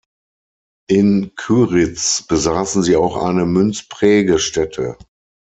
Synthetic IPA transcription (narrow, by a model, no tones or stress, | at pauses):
ʔɪnkʰyːʁɪt͡sb̥əzaːsn̩ziːaʊxʔa̰ɪnəmʏnt͡spʁ̥ɛːɡəʃtɛtʰə̰